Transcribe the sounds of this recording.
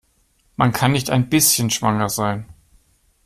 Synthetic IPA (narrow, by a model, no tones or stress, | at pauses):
mankʰanːɪçtaɪnbɪsçənʃv̥aŋɐzaɪn